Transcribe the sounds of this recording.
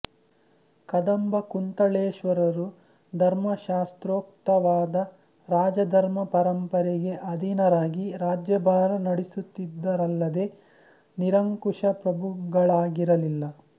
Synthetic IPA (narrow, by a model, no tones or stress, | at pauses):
kɐd̪ɐmbɐkunt̪ɐɭeːʃʋɐɾɐɾu | d̪ʱɐɾmɐʃaːst̪ɾoːk̚t̪ɐʋaːd̪ɐ | ɾaːd͡ʒɐd̪ʱɐɾmɐpɐɾɐmpɐɾɛɡe̞ʔɐd̪ʱinɐɾaːɡiɾaːd͡ʒjɐbʱaːɾɐnɐɽisut̪ːid̪ːɐɾɐlːɐd̪e̞ | niɾɐŋkuʂɐpɾɐbʱuɡɐɭaːɡiɾɐlilːɐ